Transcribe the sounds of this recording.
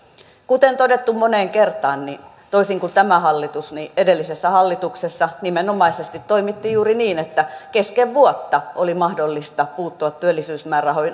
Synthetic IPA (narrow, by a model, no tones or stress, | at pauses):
kut̪ent̪odet̪ːummoneːŋkert̪ˑɑːnnin | t̪oisiŋkut̪æmæhɑlːit̪usniedelːisesːæhɑlːit̪uksesːɑnimenomɑisest̪it̪toimit̪ːijjuːɾiniːnet̪ːækeskeʋʋuot̪ːɑolimɑhdolːist̪ɑpuːt̪ːuɑt̪tyølːisyːsmæːrɑɦoin